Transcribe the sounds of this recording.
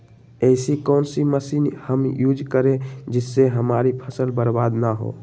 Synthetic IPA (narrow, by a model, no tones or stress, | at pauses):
ɛɪsikɔːnsiməsiːnhəmjuːd͡ʒkəɾẽd͡ʒɪsːeɦəmaːɾipʰəsəlbəɾbaːd̪naɦo̰ː